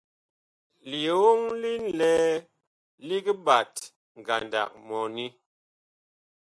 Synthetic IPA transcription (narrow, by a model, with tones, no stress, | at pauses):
li˨e˨wo˦ŋli˦n̩˦˨lɛ˦ | li˦ki˦ba˨t | ŋ˨ɡa̰˨nda̰˨k̚mɔ˨ni˦